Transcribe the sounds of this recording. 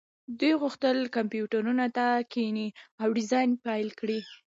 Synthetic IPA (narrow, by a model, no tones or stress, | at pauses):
d̪ujɣuxt̪əlkampjuʈaɾunat̪akʰiniawɽizɑjnpajlkɽi